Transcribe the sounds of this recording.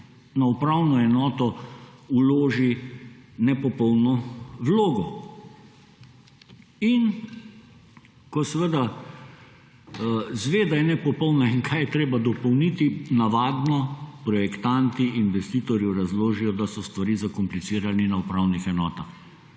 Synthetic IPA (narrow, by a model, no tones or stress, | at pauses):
naupɾawnɔɛnɔːt̪ɔuloːʒi | nɛpɔpɔwnɔwloːɡɔ | in | kɔsɛʋəd̪a | zʋeːd̪ajɛnɛpɔpɔwnaiŋkʰajɛt̪ɾeːbad̪ɔpɔwnit̪inaʋaːd̪nɔpɾɔjɛkt̪ant̪iʔinʋɛst̪iːt̪ɔɾjɛɾazloːʒijɔd̪asɔst̪ʋaɾiːzakɔmplisiːɾaninaupɾawnixɛnɔːt̪ax